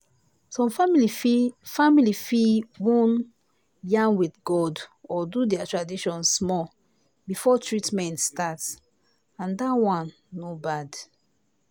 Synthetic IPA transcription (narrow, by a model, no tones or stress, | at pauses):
sɔ̃mfmilifamilifiwɔ̃n | jãŋwiθɡɔdɔdudɛatɹadiʃɔ̃nsmɔ | bifɔtʰɹitmɛ̃ntstats | ãndawãnː | obad